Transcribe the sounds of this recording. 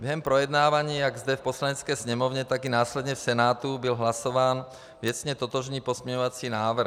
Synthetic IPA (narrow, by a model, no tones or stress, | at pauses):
bjɛɦɛmpɾojɛd̪naːvaɲiːjaɡzd̪ɛfposlaɲɛt͡skɛjsɲɛmovɲɛt̪aɡinaːslɛd̪ɲɛfsɛnaːt̪ubilɦlasovaːn | vɪɛt͡sɲɛt̪ot̪oʒniːpozmɛɲovat͡siːnaːvr̩